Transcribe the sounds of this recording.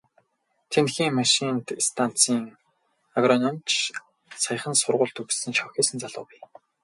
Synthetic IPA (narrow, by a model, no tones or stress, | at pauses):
t̪ʰenxiːŋmaʃint̪ist̪ʰan̥t͡siːŋ | aɣrɔnɔmt͡ɕʰ | saj̆χə̆nsʊrʁʊːɮt̪ɵɣsɘ̆nt͡ɕʰɔxʲeːsɘ̆nt͡saɮʊ̰ːpʊ̆j